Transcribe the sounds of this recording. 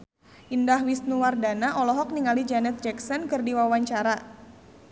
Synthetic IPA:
ʔindahwisnuwardanaʔɔlɔɦɔk̚niŋalid͡ʒanɛt̪̚d͡ʒɛksɔnkɨrdiwawaɲt͡ʃaɾa

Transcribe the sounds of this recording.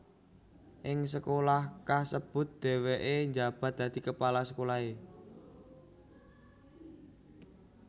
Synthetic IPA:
ʔɪŋs̬əkolahkasəb̥ʊ̤t̪̚d̪̥ɛ̤weʔeɲd͡ʒab̥a̤t̪̚d̪̥ä̤d̪̥i̤kəpalasəkolae

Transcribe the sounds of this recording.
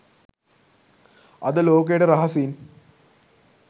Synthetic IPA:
ɐd̪əloːk̬ejʈəɾɐɦɐsiːn

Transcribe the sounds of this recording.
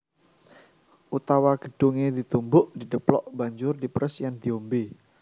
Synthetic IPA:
ʔut̪awaɡ̥əɖ̥uŋed̪it̪umbʊʔd̥i̤dəplɔ̰ʔb̥aɲd͡ʒʊrdipɾəsjand̪̥iombe

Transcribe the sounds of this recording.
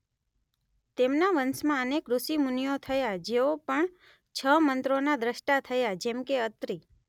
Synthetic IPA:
t̪emnaʋənsmãənekɾʊsimunijot̪ʰəjad͡ʒeopəɳ | t͡ʃʰəmənt̪ɾonad̪ɾəʃʈat̪ʰəjad͡ʒɛmkeət̪ɾi

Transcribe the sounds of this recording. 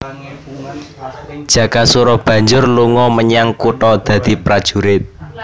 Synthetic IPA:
d̥ʒ̥ä̤kasuɾɔb̥ä̤ɲd͡ʒʊrluŋɔməɲaŋkuʈɔd̪̥ä̤d̪̥i̤pɾad̥ʒ̥ṳɾɪt̪̚

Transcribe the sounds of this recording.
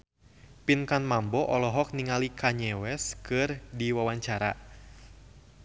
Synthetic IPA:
pinkanmambɔʔɔlɔɦɔk̚niŋalikaɲɛwɛskɨrdiwawaɲt͡ʃaɾa̰

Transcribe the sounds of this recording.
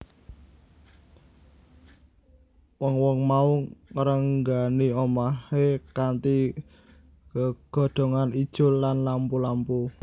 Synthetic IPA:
wɔŋwɔŋmauŋəɾəŋɡaniomahekant̪i | kəɡ̥ɔ̤ɖ̪̥o̤ŋanid̥ʒ̥ʊ̤lːanlampulampu

